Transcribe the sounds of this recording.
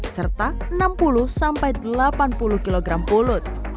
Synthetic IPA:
sərt̪aənampulusampajd̪əlapanpulukiloɡɾampulʊt̪̚

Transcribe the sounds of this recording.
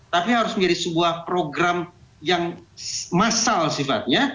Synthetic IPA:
t̪apiɦaɾʊsməɲd͡ʒadisəbuahpɾoɡɾamjaŋsmasalsifat̪̚ɲa

